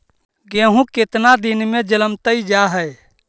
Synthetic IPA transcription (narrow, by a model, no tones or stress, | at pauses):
ɡeɦũket̪nad̪inmed͡ʒələmt̪əjd͡ʒaɦəj